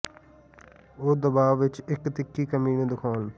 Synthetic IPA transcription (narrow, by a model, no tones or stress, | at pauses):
oːd̪əbaːʋːɪt͡ʃɪkt̪ɪkːiːkəmiːnẽːd̪ʊkʰaːn